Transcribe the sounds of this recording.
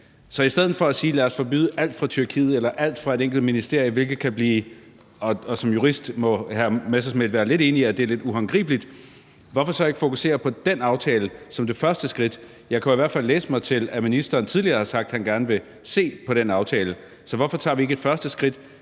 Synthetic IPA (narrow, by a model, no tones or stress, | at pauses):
sɒ̽isd̥eð̞̰ˠn̩fɒ̽æsiːlæɐsfɒ̽b̥y̰ːðˠʔæl̰d̥fʁɑ̈t͡sʰyɐkʰḭːð̞̩ˠelɐʔæl̰d̥fʁɑ̈e̝ɾeŋɡ̥l̩d̥minisd̥e̝ɐ̰jəʋe̝lɡ̥ð̩ˠkʰæb̥liː | ɒːsɒ̽mjuʁisd̥mɒ̽hæɐmesæsmed̥ʋæːɐle̝d̥e̝ːniæd̥e̝æɐle̝d̥uɦɑŋɡ̥ʁḭːb̥lid̥ | ʋɒfɒsɒ̽e̝ɡ̥ə̥fo̝kuse̝̰ːɐpʰɒ̽d̥enɑ̈ʊt͡sʰɛːləsɒ̽md̥e̝fɶɐsd̥əsɡ̥ʁid̥ | jɑ̈ɪkʰæiʋæɐ̰̥fæl̰ːḛːsə̥mɑ̈ɪt͡sʰe̝læminisd̥ɐːnt͡sʰiðˠliɐːhɑ̈sɑ̈ɡ̥̚d̥hænɡ̥æɐnəʋe̝ | se̝̰ːpʰɒ̽ɾ̥enɑ̈ʊt͡sʰɛːlə | sɒ̽ʋɒfɒ̽t͡sʰɑ̰̈ːʋie̝ɡ̥ed̥fɶɐsd̥əsɡ̥ʁid̥